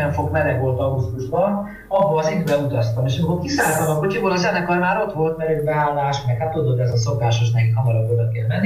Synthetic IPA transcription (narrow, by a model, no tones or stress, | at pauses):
ɛɱfo̞kmɛɾɛkʋo̞lt̪ɒbust̪uʒbɒ | ɒɦolsint̪bɛut̪ɒst̪ɒmeːʃɒmikokisaːlt̪ɒmɒkocikoɾɒzɛnɛkɒjmaːɾo̞t̪ʋo̞lt̪mɛɾɛbɛaːlːaːʃmɛkhat̪ːud̪ot̪ːɛzɒso̞kaːʃoʃ̬nɛkikhɒmɒɾɒkød̪økɛlmɛnːi